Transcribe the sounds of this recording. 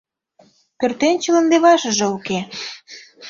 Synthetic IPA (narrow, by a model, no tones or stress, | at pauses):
pørt̪enʲt͡ɕələ̆nd̪eβɑʃə̆ʒĕuke